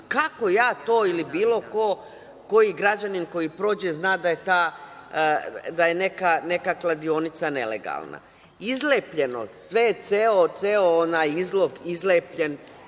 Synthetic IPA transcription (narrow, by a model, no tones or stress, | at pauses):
kako̞jaːt̪oːilibiːlo̞ko̞ː | ko̞jiɡɾad͡ʑaninko̞jipɾoːd͡ʑe̞znaːd̪aje̞t̪aː | d̪aje̞ne̞kane̞kaklˠad̪io̞nit̪sane̞̰lḛɡa̰lˠna̰ | izleːpʎe̞no̰sʋe̞t̪seot̪seoonajizlo̞ɡizlepʎe̞n